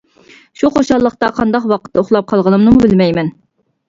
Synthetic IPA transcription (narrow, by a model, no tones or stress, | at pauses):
ʃuqoʃɑlˠːəqt̪ɑqʰɑnd̪ɑqwɑqʰə̥t̪ʰːɛoχlˠɑp̚qʰɑlˠʁənɨmnɨmubɪlmɛjmɛn